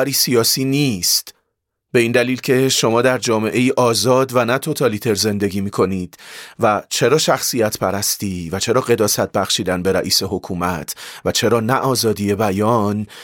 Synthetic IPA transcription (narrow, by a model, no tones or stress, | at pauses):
ɾiːsijɒːsiːnist̪ | be̞iːnd̪æliːlcʰe̞ʃo̞mɒːd̪æɾd͡ʒɒːme̞ʔe̞jiːʔɒːzɒːd̪vænæt̪ʰo̞t̪ʰɒlit̪ʰe̞ɾze̞nd̪e̞ɡiːmiːkʰo̞niːd̪̥væt͡ʃʰe̞ɾɒːʃæxsijæt̪ʰpʰæɾæst̪iːvæt͡ʃʰe̞ɾɒːɢe̞d̪ɒːsæt̪̚bæxʃiːd̪ænbe̞ɾæʔiːse̞ɦo̞kʰuːmæt̪ʰvæt͡ʃʰe̞ɾɒːnæʔɒːzɒːd̪ije̞bæjɒːn